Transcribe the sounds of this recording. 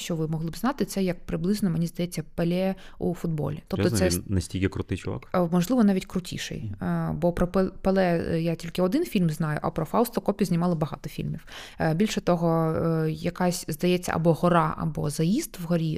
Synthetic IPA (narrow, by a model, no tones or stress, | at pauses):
ʃt͡ʃɔʋɪmɔɦlˠɪbznɑt̪ɪt̪sɛjɐk̚pɾɪblˠɪznɔmenʲizd̪ɐjɛt͡sʲːɐpelʲɛ | ṵfʊd̪bɔ̰lʲit̪ɔpt̪ɔsɛnɐsʲtʲilʲkʲɪkɾʊt̪ɪjt͡ʃʊʋa̰kmɔʒlˠɪʋɔnɑʋʲitʲkɾʊtʲḭʃɛ̰jbɔpɾɔpepelˠɛjatʲilʲkɪɔd̪ɪnfʲilʲmznɑjʊ̰ʔɐ̰pɾɔfɑwst̪ɔkɔpʲjɐzʲnʲɪmɑlˠɐbɐɦɑt̪ɔfʲḭlʲmʲiwbʲilʲʃɛt̪ɔɦɔjɐkɑsʲzd̪ɐjɛt͡sʲːɐ̰ʔɐ̰bɔɦɔɾɑɐ̰bɔ̰zɐjizd̪ʋɦɔɾʲi